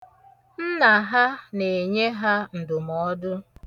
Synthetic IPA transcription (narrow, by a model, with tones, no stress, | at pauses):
n̩˦na˨ɦa˦ne˨ɲe˦ɦa˦n̩˨dʊ˨mɔ˦dʊ˦